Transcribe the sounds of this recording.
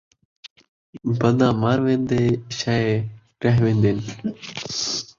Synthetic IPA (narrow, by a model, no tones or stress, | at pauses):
bənd̪ãːmaːɾʋẽːnd̪eːʃaːeː | ɾəɦʋẽːnd̪eːn